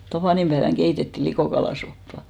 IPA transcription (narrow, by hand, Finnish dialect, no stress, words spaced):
tɑpɑˑnimb̥æeʋæŋ ɡ̊eitetːiˑ likoˑkɑlɑˑsopːɑ